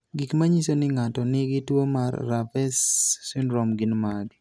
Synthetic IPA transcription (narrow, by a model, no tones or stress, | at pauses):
ɡikmaɲisonɪŋatɔnɪɡɪtwomarːafɛsːinɾɔmɡinmadi